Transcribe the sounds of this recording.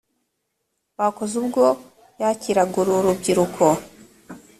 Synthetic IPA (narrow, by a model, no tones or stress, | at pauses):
βako̞zubɡo̞ | jaciɾaɡuɾuɾubɟiɾukʰo